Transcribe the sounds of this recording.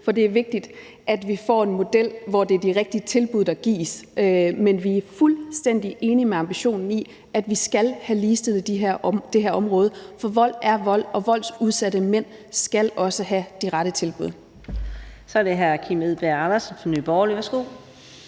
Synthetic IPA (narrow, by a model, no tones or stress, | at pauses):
fɒ̽d̥e̝æɐʋe̝ɡ̥̚d̥id̥ | ʔæd̥ʋifɒ̰ːe̝nmo̝d̥el̰ʋɒd̥eɐd̥iʁeɡ̥̚d̥iət͡sʰe̝lb̥uðˠd̥ɑ̈ɡ̥ḭːsmenʋiæɐfulsd̥en̰d̥iʔe̝ːnimeɑ̈mb̥iɕo̝̰ːnn̩i | ʔæd̥ʋisɡ̥ælhæliːsd̥e̝l̩ˠd̥iɦæɐ̰d̥e̝ɦeɐɒ̽mʁɔːðˠəfɒ̽ʋɒ̽l̰æɐʋɒ̽l̰ɒ̽ʋɒ̽l̰d̥suð̞ˠsæd̥əmen̰ | sɡ̥ælɒ̽səɦæd̥iʁɑɾət͡sʰe̝lb̥uð̞̰ˠ | sɒ̽æɐɾeɦæɐkʰimeðˠb̥eɑnɐsnfɒny̰ːb̥ɒːliʋæɐsɡ̥o̝̰